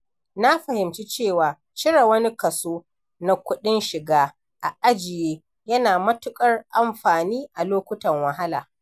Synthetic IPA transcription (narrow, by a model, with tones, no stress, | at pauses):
na˦ɸɐ˨hɪ˨mt͡ʃi˦t͡ʃeː˦˨waː˨ | t͡ʃɪ˦ɽa˨wɐ˦ni˦kɐ˨soː˦ | na˦kʷʊ˦ɗɪ˦nʃɪ˨ɡaː˦ | ʔa˨ʔa˦d͡ʒɪ˨jeː˦ | jɐ˦naː˨mɐ˦tʊ˦kʼɐ˦rʔa˨mɸaː˨niː˦ʔa˨loː˦kʷʊ˦tɐ˨ŋwɐ˨ɦa˦laː˨